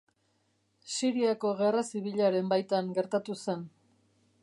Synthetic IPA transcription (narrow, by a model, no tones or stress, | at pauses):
siɾiako̞ɣe̞rasiβiʎaɾe̞mbajt̪aŋɡe̞ɾt̪at̪use̞n